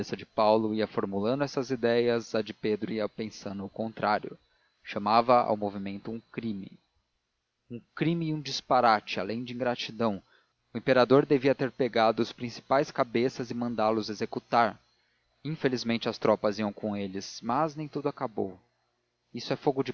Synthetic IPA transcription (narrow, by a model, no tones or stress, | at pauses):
esɐd͡ʒɪpawlʊiɐfoɾmulɐ̃nd̪ʊɛsɐzid̪ɛjɐzɐd͡ʒɪped̪ɾʊiapẽsɐ̃nd̪ʊʊkõnt̪ɾʔaɾjʊ̰ | ʃɐmavɐa̰wmovimẽnt̪ʊũkɾĩmɪ̰ | ũkɾĩmɪũd͡ʒispaɾat͡ʃɪa̰lẽj̃d͡ʒɪĩŋɡɾat͡ʃid̪ɐ̃w̃ | ʊẽmpeɾad̪oɾd̪eviɐt̪eɾpeɡad̪ʊɐspɾĩsi̥pajskabesɐzɪmɐ̃nd̪aɾlʊzezekut̪aɾ | ĩfelizmẽnt͡ʃɪɐst̪ɾɔpɐziɐ̃w̃kõelɪz̥mɐznẽj̃t̪ud̪ʊakabo̰w | isʊɛfoɡʊd͡ʒɪ